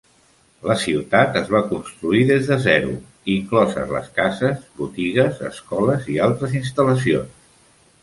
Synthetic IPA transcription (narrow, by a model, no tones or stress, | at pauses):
ləsiwt̪at̪əzβ̞akunst̪ɾuiðezðəzɛɾṵ | iŋklɔzə̰lə̰skazəzβut̪iɣ̞əzə̰skɔləzialˠt̪ɾəzinst̪ələsions